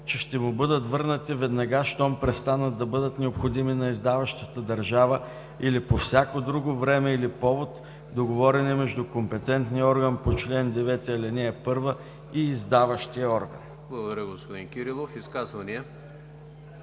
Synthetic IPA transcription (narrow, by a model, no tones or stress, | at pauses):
t͡ʃɛʃt̪ɛmʊbɤd̪ət̪vɤɾnət̪ivɛd̪nɐɡaʃt̪ɔmpɾɛst̪anət̪̚d̪ɐbɤd̪ət̪nɛopxod̪iminɐizd̪avɐʃt̪ət̪əd̪ɐɾʒavə | ilipofsʲakod̪ɾuɡovɾɛmɛilipɔvot̪ | d̪oɡovɔɾɛnɛmɛʒd̪ʊkompɛt̪ɛnt̪niəɔɾɡənpot͡ʃlɛnd̪ɛvɛt̪iɐlɛnɛːpɤɾvə | iːzd̪avəʃt̪iəɔɾɡə̰n | blˠɐɡod̪ɐɾʲəɡospod̪inkʲiɾilˠofiskazvɐniɛ